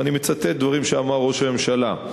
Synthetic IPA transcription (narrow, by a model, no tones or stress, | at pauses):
animet͡sat̪et̪̚d̪vaʁimʃeamaʁːo̞ʃame̞mʃala